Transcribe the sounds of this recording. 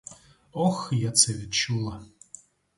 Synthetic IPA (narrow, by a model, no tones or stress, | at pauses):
ɔxjat̪sɛvʲit̪t͡ʃulˠa